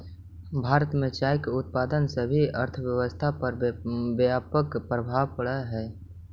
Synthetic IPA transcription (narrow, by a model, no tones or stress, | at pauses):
bʱaːɾət̪mẽt͡ʃaːjkeʊt̪̚paːd̪ənsebʱiəɾt̪ʰəʋjəwəst̪ʰapəɾbjaːpəkpɾəbʱaʋpəɽɛɦɛː